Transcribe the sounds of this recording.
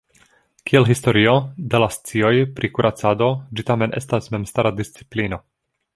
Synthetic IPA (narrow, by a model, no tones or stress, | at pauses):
kielɦisto̞ɾiod̪elast͡sio̞jpɾikuɾʔat͡sad̪o̞d͡ʒitame̞nʔe̞stasmemstaɾad̪ist͡si̥plino̞